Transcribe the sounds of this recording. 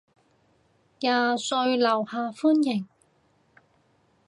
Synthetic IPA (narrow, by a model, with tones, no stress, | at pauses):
jaː˨sɵ˧ɥlɐ˨˩whaː˨fuː˥njɪ˨˩ŋ